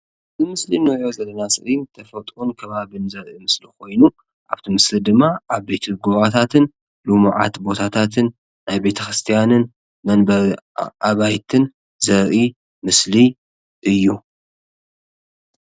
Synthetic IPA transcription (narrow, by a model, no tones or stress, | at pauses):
zɨmɨslinɨozɐlːɐnasɨ̰ʔint̪ʰɐfɐt̪ʼʔunkʰɐβaβɨnzɐɾʔimɨslikʰo̞jnu | ʔa̰βt̪ʰɨmɨslid̪ɨmːaʔaβbe̞t̪ʰɨɡuβat̪ʰat̪ʰɨn | lumuʕa̰t̪bo̞t̪ʰat̪ʰat̪ʰɨnː | ajbe̞t̪ʰɐxɾɨst̪ʰijanɨn | mɐnbɐʔaβajt̪ʰɨn | zɐɾʔi | mɨsli | ʔɨjːu